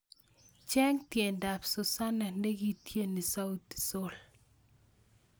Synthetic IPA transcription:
t͡ʃɛ˦ŋtje˨nda˨pso˨sa˦na˨nde˦ɡi˦tje˦˨ni˨sa˦u˦t̪i̥˨so˦l

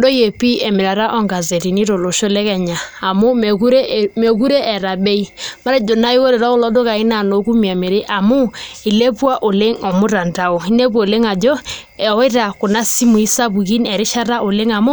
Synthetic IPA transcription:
do˦je˨pi˦ɛ˨mɪ˨ɾa˨ɾa˦ʔɔ˦ŋɡa˨ze˨ɾi˨ni˦ɾo˨lo˨ʃo˦lɛ˦kɛ˨ɲaː˨mʊ˦˨ku˦ɾe˦me˨k̬u˦ɾe˦ɛ˨ɾa˨be˦i˦ma˦ɾa˦d͡ʒo˨na˦i˦wo˦ɾe˨ɾa˦o˦˨lɔ˦do˦ka˨i˦na˨no˨˦ku˦mi˨a˨me˨ɾe˦ʔa˨mu˦i˨le˦pwa˦ʔo˨le˦ŋɔ˨mʊ˦ɾa˨nda˨o˨i˦ne˦p̬le˦ŋa˨d͡ʒɔ˦ | ɛ˨ɔ˦ɪ˦ɾa˨kʊ˨na˦si˦mu˨i˦sa˦bu˨ki˦nɛ˨ɾɪ˦ʃa˦ɾa˦ʔo˨le˦ŋa˨mu˦

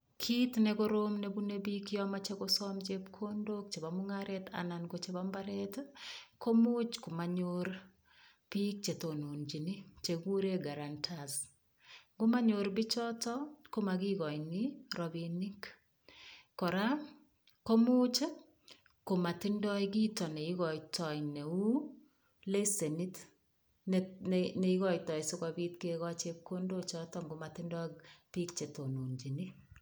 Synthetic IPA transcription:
kʰi˦tnɛ˦ko˦ɾomne˦bu˦ne˦bikjɔ˦ma˦t͡ʃe˦kosɔmd͡ʒepkʰondo˦k̚t͡ʃe˨ba˨mʊŋaɾɛta̰nanɡo˦t͡ʃe˨bambaɾɛtko˦mu˦t͡ʃko˨maɲoɾ | b̥i˦k̚t͡ʃe˨to˨no˨nd͡ʒi˨ni˦t͡ʃe˨ɡu˦ɾe˦ɡa˨ɾantʰas | ɡʊ˦ma˦ɲoɾbɪ˦t͡ʃɔ˦tɔ˦ko˦ma˨ɡi˦ɣɔ˨jniɾɔ˨bi˨ni˦k | kɔ˨ɾa˦ | kɔ˦mu˦t͡ʃe˦ | ko˨ma˨tɪ˦ndɔ˦ik̬iː˦tɔ˨nɛ˨i˦ɣɔ˨itɔ˨ine˨u˦ | le˦se˨ni˦t | nɛ˨i˦ɣɔ˦jtɔ˨jsʊ˦kɔ˨bi˦tkeɣɔ˦t͡ʃe˦kːo˦ndo˦t͡ʃɔ˦tɔ˦ŋɡo˦ma˨tɪ˦ndɔ˦pi˦kt͡ʃe˨to˨nu˨nd͡ʒi˨ni˦

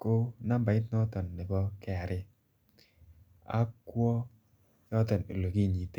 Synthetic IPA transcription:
ko˦na˦mba˨ɪ˦t̪nɔ˦t̪ɔ˨nːɪ˨bɔ˦kɛ˦a˨ɾɪ˦ | a̰˦kwɔ˦ | jɔ˦tɔ˨no̰˨lo˨ki˦˨ɲi˨te˨˦

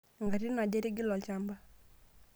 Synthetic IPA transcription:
ŋɡa˨ɾi˦na˨ɟe˦ɾi˦ɡi˦lɔ˨t͡ʃa˦mba˦

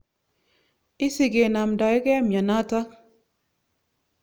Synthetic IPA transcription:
ɪ˦si˨ɡe˨na˨mdɔ˨ɛ˦kɛ˦mja˨na˦ta˦

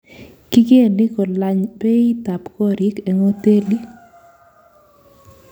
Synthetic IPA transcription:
ki˦ɡe˦˨nɪ˦kɔ˨la˨ɲpe˦i˦t̪a˨pkɔ˦ɾɪ˦ke˨ŋo˦t̪e˦li˦

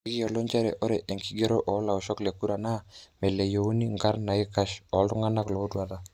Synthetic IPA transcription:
ki˦ɔ˨lo˦ɲt͡ʃɛ˦ɾɛ̰˨ʔɔ˦ɾɛ˨ʔe˨ŋki˨˦ɡe˦ɾo˦ʔɔ˨˦la˨ɔ˨ʃɔ˦kle˨ku˦ɾa˨na˦mɛ˨le˨jo˨u˦ni˦ŋɡa˦ɾna˨i˦ka˦ʃɔ˨˦ldʊ˦ŋa˦na˦klɔ˨u˦dwa˨ða˨

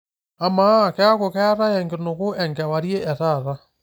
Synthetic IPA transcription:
a˨ma˦˨kɛ˦a˦ko˨kɛ˦a˦ɾa˦ɛŋɡe˨no˨ɣo˦ɛŋɡɛ˨wa˨ɾje˦ɛ˨ɾa˨ɾa˦

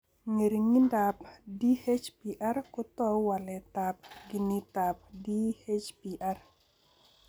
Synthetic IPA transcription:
ŋe˨ɾi˨ŋi˦nda˨pdi˦he˦t͡ʃpi˨ʔa˦rkʊ˦t̪ɔ˦wa˨lɛ˨tap̚ɡi˨ni˦ta˨p̚di˦he˦t͡ʃpi˨ʔa˦r

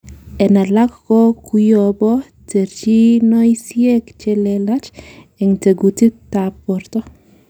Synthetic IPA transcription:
ɛ˨na˨la˦kkɔ˦ku˦jɔbɔ˦ | te˨ɾt͡ʃi˦nɔ˦jsie˦kt͡ʃe˦lɛla˦t͡ʃ | ɛ˨ŋte˨ɡuti˦tːapːɔ˨ɾtɔ˦

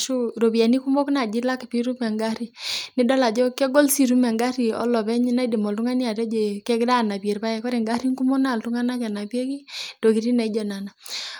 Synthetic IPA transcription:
ʃu˦ɾo˨bja˨ni˦ku˦mo˦kna˨d͡ʒi˦la˦ki˨pi˦ɾu˦mɛ˨ŋɡa˦ɾi˨nɪ˦dɔ˦la˨d͡ʒɔ˦kɛ˦ɡo˦lsi˦ɾu˦mɛ˨ŋɡa˦ɾi˨ɔ̰˦lɔ˨bɛ˦ɲ˦na˦i˦de˨mɔ˨ltu˦ŋa˦ni˦a˨ɾɛ˦d͡ʒe˨kɛ˦kɾa˦˨na˨pje˨rba˦jɛ˨kɔ˦ɾe˨ŋɡa˦ɾi˦ŋku˦mɔ˦na˦˨ltu˦ŋa˦na˦kɛ˨na˨pje˦ki˦d̥o˨ki˨ɾi˦nɛ˨i˦d͡ʒɔ˨na˨na˨

